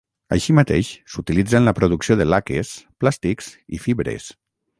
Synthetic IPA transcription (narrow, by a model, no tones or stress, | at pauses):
ə̰ʃimat̪eʃsut̪ilid͡zənləpɾuðuksioðəlakḛsplast̪ikz̥ḭfiβɾḛs